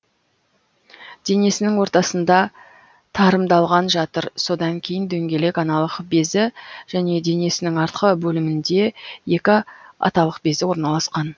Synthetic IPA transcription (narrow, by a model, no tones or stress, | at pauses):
d̪̥e̞ne̞sɪnɪŋwo̞ɾt̪ɑsənd̪ɑ | t̪ʰɑɾəmd̪ɑlˠʁɑnʒɑt̪əɾso̞d̪ɑŋkʲʰe̞jɪnd̪ɵŋɡʲe̞le̞kɑnɑlˠəqbe̞zɪʒ̥æne̞d̪e̞ne̞sɪnɪŋɑɾt̪qəbɵlɪmɪnd̪e̞je̞kʲɪɑ̰t̪ɑlˠəqbe̞zɪwo̞ɾnɑlˠɑsqɑn